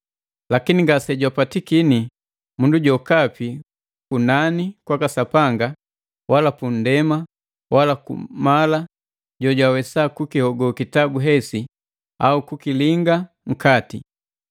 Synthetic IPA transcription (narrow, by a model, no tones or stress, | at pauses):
lakiniŋɡasɛɟwapatikini | munduɟɔkapi | kunanikwakasapaŋɡa | wʔalapun̩dɛma | walakṵmala | ɟɔɟwawɛsakukihɔɡɔkitabuɦɛsi | aukukiliŋɡa | ŋ̩kati